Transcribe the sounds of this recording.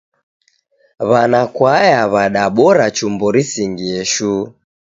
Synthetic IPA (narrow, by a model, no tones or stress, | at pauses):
βanakwajaβaɗaɓɔɾat͡ʃumbɔɾisiŋɡiɛʃu